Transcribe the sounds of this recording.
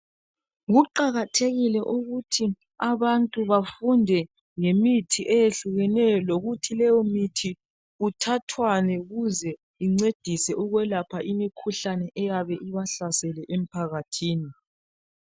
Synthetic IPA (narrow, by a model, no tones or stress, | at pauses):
ɣuǃaɣatʰeɣilɛʔuɣutʰi | aβantʼuβafundʱɛ | ŋemitʰiʔejeɬuɣɛnɛjɔloɣutʰilɛjɔmitʰi | utʰatʰwanɛɣuzɛ | iŋ͡ǀed̥ʱisɛʔuɣwɛlapʰaʔimikʰuɬanɛʔɛjaβɛʔiβaɬasɛlɛʔem̩pʰaɣatʰiːni